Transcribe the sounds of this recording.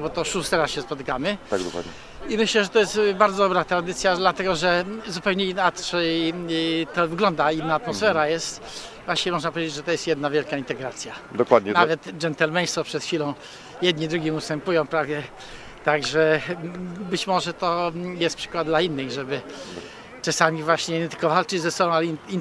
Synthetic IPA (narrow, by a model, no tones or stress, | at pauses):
bɔt̪ɔʂust̪ɛɾasɕɛspɔt̪ɘkamɘa̰ɡd̪kwa̰d̪ɲɛ | imɘɕlɛʐɛt̪ɔjɛst̪baɾd̪zɔd̪ɔbɾat̪ɾad̪ɘt̪sʲjad̪lat̪ɛɡɔʐɛzupɛwɲɛinat̪ʂɛ | t̪ɔvɘɡlɔnd̪ainːaːt̪mɔsfɛɾajɛst̪ | vwaɕɛmɔʐnapɔvjed͡ʑed͡ʑʐɛt̪ɔjɛst̪jɛd̪navʲjɛlkaint̪ɛɡɾat̪sʲjad̪ɔkwad̪ɲɛnavɛt̪d͡ʒɛnt̪ɛlmɛj̃sɔpʂɛt̪xfʲilɔ̃w̃ | jɛd̪ɲid̪ɾuɡʲimust̪ɛmpujɔ̃w̃pɾavjɛ | t̪aɡʐɛ | bɘt͡ɕmɔʐɛt̪ɔjɛst̪pʂɘ̥kwad̪d̪lainːɘɣʐɛbɘ | t͡ʂasamʲivwaɕɲɛit̪ɘ̥kɔvalt͡ʂɘd͡ʑzɛsɔbɔ̃w̃alin